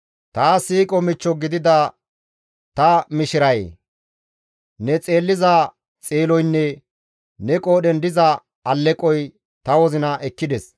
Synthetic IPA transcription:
t̪aːsiːkʼɔmɪt͡ʃːɔɡɪd̪ɪd̪ɐ | t̪ɐmɪʃɪɾɐjḛ | nɛt͡sʼe̞ːlːɪza | t͡sʼeːlɔjnːɛ | nɛkʼoːɗɛnd̪ɪzɐ | ɐlːɛkʼɔj | t̪ɐwɔzɪnɐʔɛkːɪd̪ɛs

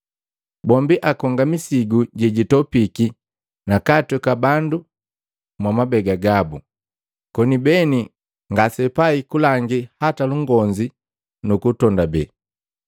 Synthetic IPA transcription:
bɔmbiʔakɔŋɡamisiɡuɟɛɟitɔpiki | nakatukabandu | mwamabɛɡaɡabu | kɔnibɛni | ŋɡasɛpaikulaŋɡihataluŋɡɔɲd͡ʒi | nukutɔndabɛ

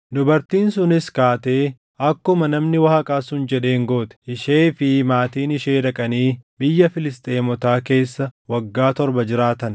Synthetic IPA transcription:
d̪ʊbɐɾt̪iːnsʊnɪskaːt̪e̞ː | ɐkːʊmɐnɐmnɪwɐhɐkʼaːsʊnd͡ʒɛᶑe̞ːŋɡo̞ːt̪ɛ̥ɪʃeːfɪmaːt̪iːnɪʃe̞ːᶑɐkʼɐniːbɪjːɐfɪlɪst̪ʼeːmɔt̪aːke̞ːsːɐwɐɡːaːt̪ɔɾbɐd͡ʒɪɾaːt̪ɐn

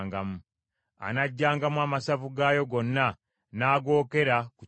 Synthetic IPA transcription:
ŋɡamu | a̰naɟːaːŋɡamwaːmasavuɡajo̞ɡo̞nːa | naːɡo̞ːke̞ɾaku

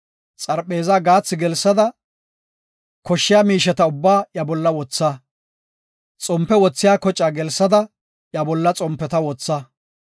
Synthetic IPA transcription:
t͡sʼɐɾpʼe̞ːzaɡaːt͡sːɪɡɛlsːɐd̪ɐ | kɔʃːɪjaːmiːʃɛt̪ɐʊbːaːjɐbɔlːɐwɔt͡sːɐ | t͡sʼɔmpːɛwɔt͡sːɪjaːkɔt͡ʃʼːaɡɛlsːɐd̪ɐ | jɐbɔlːɐt͡sʼɔmpːɛt̪ɐwɔt͡sːɐ

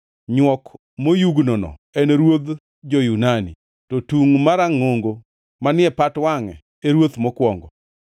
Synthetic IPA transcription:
ɲwɔk | mojuɡnɔnɔ̰ɛneɾwod̪ | d͡ʒɔjunanḭ | tɔtuŋmaɾaŋoŋɡo | manɪɛpatwaŋɛ | eɾwot̪mɔkwɔŋɡɔ̰

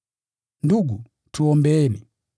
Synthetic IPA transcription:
nduɡu | tuɔmbɛɛni

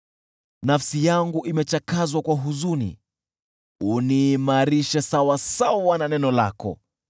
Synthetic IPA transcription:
nafsijaŋɡuʔimɛt͡ʃakazwakwaɦuzunḭ | uniːmaɾiʃɛsawasawawananɛnɔla̰kɔ̰

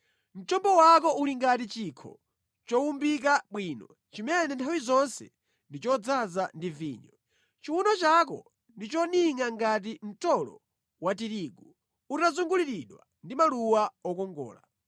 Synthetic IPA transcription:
n̩t͡ʃɔmbɔwak̬ɔuliŋɡatit͡ʃiːkʰɔ̰ | t͡ʃɔwumbik̬aɓwiːnɔ | t͡ʃimɛnɛntʰawizɔnsɛ̰ | ndit͡ʃɔd͡zazandivḭːɲɔ | t͡ʃiwunɔt͡ʃak̬ɔ̰ | ndit͡ʃɔniŋaŋɡat̬im̩tɔlɔ̰ | wat̬iɾiːɡu | utazuŋɡuliɾiɗwa̰ | ndimaluwaɔkɔŋɡɔ̰ːla̰

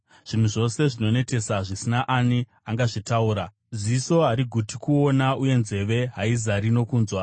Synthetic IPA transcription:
ʐ̥in̤uʐo̞se̞ʐino̞ne̞te̞saʐisinaʔani | aŋɡaʐitauːɾa | ziso̞ɦaɾiɡʱutikuo̞nauje̞nze̞ʋe̞ɦaizaɾino̞kuːnzwa

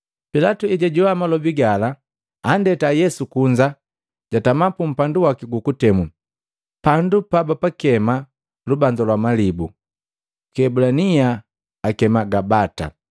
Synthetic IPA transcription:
pilatuɛɟaɟuwamalɔbiɡalaː | ndɛtajɛsukuɲd͡ʒa | ɟ̥atamapum̩panduwakiɡukutɛmu | pandupabapakɛma | lubaɲd͡ʒalwamalibu | kɛbulaniaː | kɛmaɡabata̰

